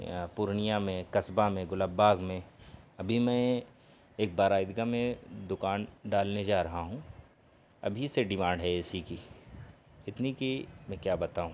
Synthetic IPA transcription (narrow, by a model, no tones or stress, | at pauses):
pʊɾnijamẽkɐsbamẽɡʊlabaːɡmẽɐbʱimɛ̃ | eːk̚baːɾaːɪd̪ɪɡamẽd̪ʊkaːnɖaːlned͡ʒaːɾɐɦaɦũ | ɐ̰bʱiseɖɪmãːɳɖɦɛɛsiki | ɪt̪nikimɛ̃kjaːbɐt̪aːɦũː